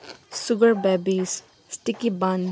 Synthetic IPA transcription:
suɡəɾbɛbis | sʈikibãn

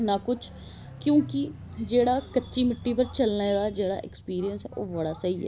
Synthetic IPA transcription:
naːkʊt͡ʃʰ | kjõːkɪ | d͡ʒeːɽaːkətːʃiːmɪʈːiːpəɾt͡ʃəlnaːeːɡaːd͡ʒeːɽa̰ːʔɪ̰kspiːɾijənsɛ̰ːʔoːʋəɽaːsəiːɛ̰ː

